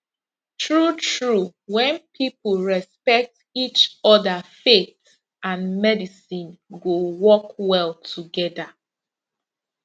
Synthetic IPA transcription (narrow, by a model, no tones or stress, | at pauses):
tʰɹutʰɹuwɛ̃npʰipulɹɛspɛk̚t | it͡ʃɔdafeθ | ãnmɛdisĩnɡowɔkwɛlˠtʰuɡɛda